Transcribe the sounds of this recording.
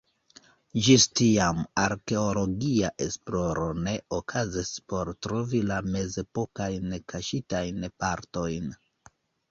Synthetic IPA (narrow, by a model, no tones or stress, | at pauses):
d͡ʒistiamaɾke̞o̞lo̞ɡiaʔe̞splo̞ɾo̞ne̞okʰazispo̞ɾtɾo̞vilame̞ze̞po̞kajnkʰaʃitajnpaɾto̞jn